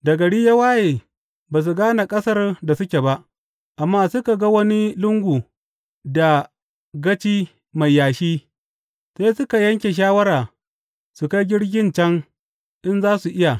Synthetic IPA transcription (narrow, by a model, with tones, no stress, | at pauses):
dɐ˨ɡɐ˨ɽiː˦ja˦waː˦jeː˨ | baː˨s̬u˨ɡaː˦na˨kʼɐ˦sɐ˦rda˨sʊ˦kʲe˨ba˦ʔ | ʔa˨mːaː˦sʊ˦ka˨ɡa˦wɐ˦ni˦lʊ˦ŋɡʷu˨ | da˨ | ɡɐ˦t͡ʃiː˦ | ma˨jːaː˨ʃiː˦ | seː˦sʊ˦ka˨jɐ˦ŋkʲe˨ʃ̬aː˦wɐ˦ɾaː˨ | su˨ka˦jɡʲɪ˦ɽɡʲɪ˦nt͡ʃɐ˦ŋ | ʔɪ˦nzaː˦su˨ʔɪ˦ja˨